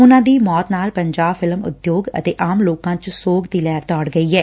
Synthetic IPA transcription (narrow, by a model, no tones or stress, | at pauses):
ʊnãːd̪iːmɔːt̪naːlpəɲd͡ʒaːbfʰɪlmʊ̰d̪joːɡə̰t̪eːʔaːmloːkãːt͡ʃsoːɡd̪iːlɛːɾt̪ɔːɽɡəiːɦɛː